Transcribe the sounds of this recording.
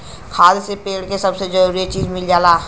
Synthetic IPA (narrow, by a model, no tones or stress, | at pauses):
kʰaːd̪sepeːɽkesɐbsed͡ʒɐɾuːɾit͡ʃiːd͡ʒmɪld͡ʒaːlaː